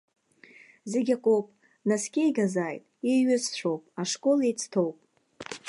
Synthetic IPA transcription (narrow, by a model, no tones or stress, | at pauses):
zeɡʲakʷʼowpʼ | naskʲʼejɡazajtʼiɥɪzt͡ɕʷo̞wpʼaʂkʼo̞lejt͡sʰtʰowpʼ